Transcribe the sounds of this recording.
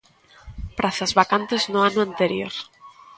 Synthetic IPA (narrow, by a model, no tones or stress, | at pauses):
pɾʔaθazβakant̪eznoanʊãnt̪eɾjo̰ɾ